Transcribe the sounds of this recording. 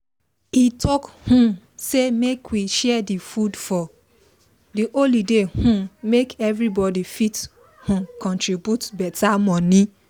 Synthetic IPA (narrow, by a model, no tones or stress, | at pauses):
itʰɔkhũ | semekwiʃɛdifudfɔ | diʔolidehũmekɛvɾibɔdifit | hũkɔ̃ntɹibjutbɛtamɔ̃nĩ